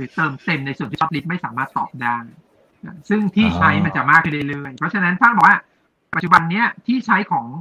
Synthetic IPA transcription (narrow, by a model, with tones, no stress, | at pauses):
ɾɯː˩˦t̪ɤː˧mt̪e˧mna˧jsu˨˩t̪iː˥˩˦li˦˥p̚ma˥˩jsaː˩˦maː˥˩t̪ːɔ̰ː˨˩p̚daː˥˩j | ʔaː˧˩sɯ˥˩ŋt̪ʰiː˥˩t͡ɕʰa˦˥jma˧nt͡ɕa˨˩maː˥˩kʰːɯ˥ndɤː˧˥˩lɤː˧˩jpʰɾɔ˦˥t͡ɕʰa˧na˦˥npʰaː˥˩bɔː˨˩kwaː˥˩ | pa˨˩t̚t͡ɕu˨˩ba˧nːi˦˥ɐt̪ʰiː˥˩t͡ɕʰa˦˥jkʰɔː˩˦ŋ